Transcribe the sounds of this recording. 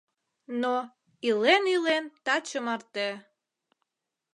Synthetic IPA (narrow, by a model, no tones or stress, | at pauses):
no | ilenilent̪ɑt͡ɕəmɑrt̪e